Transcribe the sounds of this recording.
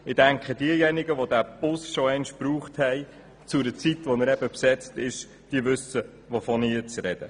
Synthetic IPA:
ɪd̥æŋkχəd̥iəjɛniɡəʋodæb̥ʊsʃɔɛnʃpɾuːχthɛj | t͡sʊɾət͡sitʋɔnəɾɛbəpsɛt͡stɪʃ | d̥iəʋɵsə | ʋofɔniət͡sɾɛd̥ə

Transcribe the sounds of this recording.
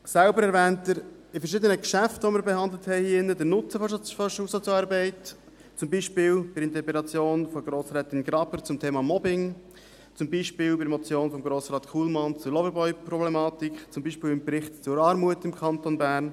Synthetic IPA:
sælbəɾɛɾvɛːntəɾɪfəɾʃɪd̪ənəkʃæftʋɔmɪɾbɛhɑnd̪ləthɛɪhiːɪnːədəɾnʊt͡səfɔfɔʃusɔt͡sɑːɾbɛɪt | t͡sʊmbiːʃpɪːlb̥ɪɾɪnt̪ɛpɛlɑt͡sjoːnfɔɡɾoːsɾɛːt̪ɪnɡɾɑbəɾt͡sʊmtʰeːmɑmɔbɪŋ | t͡sʊmbiːʃpɪːlbɪɾmɔt͡sjoːnfɔmɡɾoːsɾɑːt̪kʰulmɑnt͡sʊɾlɔvəɾbɔʏpɾɔblɛmɑːtikχt͡sʊmbiːʃpɪːlɪmbɾɪχtt͡sʊɾɑːɾmuətɪmkʰɑntonbæːɾn

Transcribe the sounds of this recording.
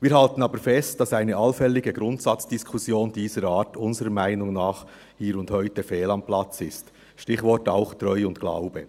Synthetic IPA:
viːɾhɑltən̩ɑːbəɾfɛst̚d̥ɑsæɪnəʔɑlfɛlɪɡəɡɾʊntsɑt͡sd̥iskʰʊsjoːndiːzəɾaːtʊnzəɾəmæɪnʊŋnaːχ | hiːɾʊnthœʏtəfɛːlɑmplɑt͡sɪst | ʃtɪçvɔɹtaʊxtɾɔʏʊntɡ̥la̰ʊb̥ə

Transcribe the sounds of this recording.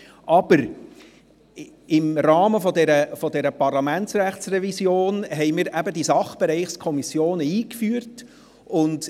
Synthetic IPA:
ʔɑb̥əɾ | ɪmɾɑːməfɔd̪ɛɾəfɔdɛɾəpɑrlɑmæntsræχtsrɛvisjoːnɦɛɪmiɾʔæbədisɑχb̥ɛɾɛɪχskʰɔmisjoːnəiːkfyːəɾt | ʊnd

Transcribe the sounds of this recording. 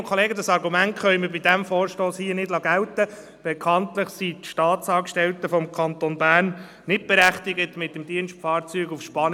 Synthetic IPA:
kʰoleːɡədɑsɑɾɡumæntχœjməbidæmfɔːɾʃtoːshiənɪdlɑɡæltə | b̥ɛkʰɑntləχsitʃtɑːtsɑːkʃtɛltəfɔmkʰɑnt̪onbæːrnː | ɪt̚b̥ɛɾæχtɪɡətmɪt̚dəmdiənʃtfɑːɾt͡syːɡufʃpɑn

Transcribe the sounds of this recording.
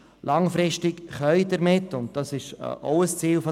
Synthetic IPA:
lʔɑŋfɾɪʃtɪkχœʏdəɾmɪtːʊnt̚d̥ɑsɪʃɔ̰ʊəst͡siːlfo

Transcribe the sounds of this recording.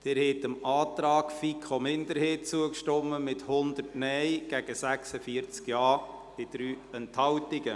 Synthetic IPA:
d̥ɪɾhɛtəmɑːtɾɑːkfikʰomɪnd̪əɾheːtt͡suəkʃtɔmːəmɪthʊnd̪əɾtnɛjɡ̥æɡ̥əsæksəfiəɾt͡skjɑːd̥ɪd̪̥ɾyːɛnthɑwtɪɡə

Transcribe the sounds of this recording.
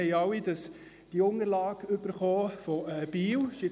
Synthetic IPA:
ɛɪɑwid̥ɑs | d̥iʊŋəɾlɑːɡøb̥əɾχoːfɔɛːb̥iːwʃɪ

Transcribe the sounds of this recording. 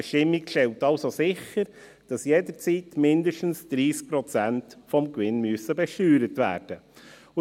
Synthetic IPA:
əʃtɪmːikʃtɛltɑlsosɪχːəɾ | d̥ɑsjɛdəɾt͡sitmɪndəʃtn̩sd̪̥ɾiːsk̚pɾɔt͡sæntfɔmkʋɪnmyəsəbɛʃtyːɾətʋæ̰ːɾd̥ə

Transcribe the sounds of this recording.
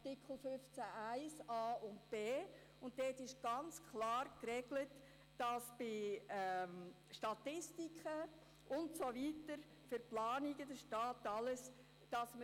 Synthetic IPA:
tikʰl̩fʏft͡sæʔæɪsɑːʊntb̥eː | ʊntdɛːtɪʃɡ̥ɑnt͡skʰlɑːrkrɛɡlət | d̥ɑsb̥ɪ | ʃtɑtɪstikχə | ʔʊntsoʋitəɾ | fʏɾplɑːniɡədəʃtɑːtːɑləs | d̥ɑsmə

